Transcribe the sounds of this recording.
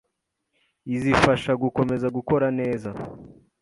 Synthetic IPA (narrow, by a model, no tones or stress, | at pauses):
izifaʃaɡuko̞me̞zaɡuko̞ɾane̞ːza